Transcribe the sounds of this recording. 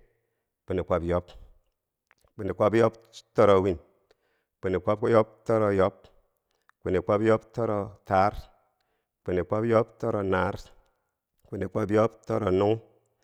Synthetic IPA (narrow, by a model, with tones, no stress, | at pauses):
k͡pi˨ni˨kʷa˨˦pjo˦p | k͡pi˨ni˨kʷa˦pjo˦p̚ | tɔ˦ɾo˨wi˦n | k͡pi˨ni˨kʷa˦p̚ku˦jɔ˦p̚tɔ˦ɾo˨jɔ˦p̚ | ki˨ni˨kʷa˦pjo˦ptɔ˦ɾo˧ta˨˦ɾ | k͡pi˨ni˨kʷa˦pjo˦ptɔ˦ɾo˨na˨˦ɾ | ki˨ni˨kʷa˦pjo˦ptɔ˦ɾo˨nu˦ŋ˦